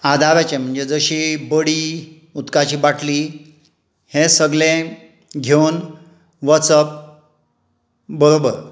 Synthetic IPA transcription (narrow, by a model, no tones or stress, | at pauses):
ad̪ʱaʋat͡ɕẽm̤əɳd͡zed͡zəɕibəɽiː | ut̪kat͡ɕiːbaʈʰli | hẽsəɡlẽ | ɡʱewn | ʋəsəp̚ | bəɾobəɾ